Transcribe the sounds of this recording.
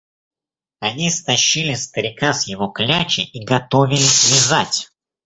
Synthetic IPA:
ɐnʲist̪ɐɕːilʲɪst̪əɾʲɪkasjɪvoklʲat͡ɕɪʔiɡɐt̪o̞vʲɪlʲɪsʲvʲɪzatʲ

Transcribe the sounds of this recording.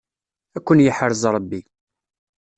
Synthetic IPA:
ækʷːənjəħəɾzɾˤəbːi

